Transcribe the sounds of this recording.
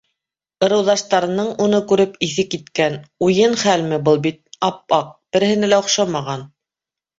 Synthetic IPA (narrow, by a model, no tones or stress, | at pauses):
ɤ̆ɾɤ̆wðɑʃt̪ɑɾɤ̆nɤɴunɤkʉɾɘpiθɘkːit̪kænujɤnχælmɘbɤlˠbit̪̚ɑp̚ɑq̚b̥ɘ̆ɾɘ̆hɘ̆nælæŏχʃɑmɑʁɑn